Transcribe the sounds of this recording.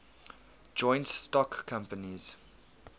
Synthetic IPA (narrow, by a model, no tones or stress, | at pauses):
d͡ʒɔ̃ɪ̃ntstɔkːʰãmpəniz̥